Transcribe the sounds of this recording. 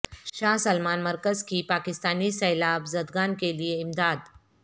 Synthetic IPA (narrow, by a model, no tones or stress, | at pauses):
ʃaːɦsɐlmaːnmɐɾkəzkipaːkɪst̪aːnisɛːlaːbzɐd̪ɡaːnkelieɪmd̪aːd̪